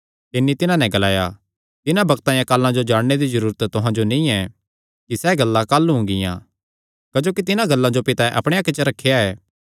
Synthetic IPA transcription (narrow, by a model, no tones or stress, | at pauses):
t̪ɪnːit̪ɪnãnɛ̃ɡɐlaːja̰ | t̪ɪnãbɐkt̪ãːjãkaːlːãd͡ʒod͡ʒaːɽned̪izɐɾuːɾət̪t̪ʊɦãd͡ʒonĩɛ | kisɛɡɐlːãkaːlːuɦʊ̃ɡɪ̰jã̰ː | kɐd͡ʒoːkit̪ɪnãɡɐlːãd͡ʒopɪt̪aʔɐpɽ̃eaːkːet͡ʃəɾɐkʰːejaɛː